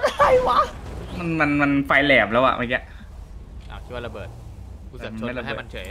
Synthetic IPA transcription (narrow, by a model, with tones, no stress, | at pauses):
a˨ɾa˧˩jwa˦˥ma˧nma˧nma˧nfa˧jlɛː˨˩p̚lɛː˦˥wa̰˨˩ʔa˧˩i˦˧˩ʔ | ʔa˧˩˨kʰi˥˩waː˥˩a˧bɤː˨˩t̪̚ | ma˧a˥˩jla˧baɤː˧˨m˧nt͡ɕʰɤ˨˩˦